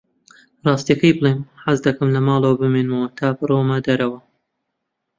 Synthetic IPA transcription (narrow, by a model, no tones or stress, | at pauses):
rˤɑːst̪ijɐkɐjbɨlˠeːmħazd̪ɐkɨmlɐmɑːlˠɐwɐbɨmeːnmɐwɐt̪ʰaːbɨɾomɐd̪ɐɾɐwɐ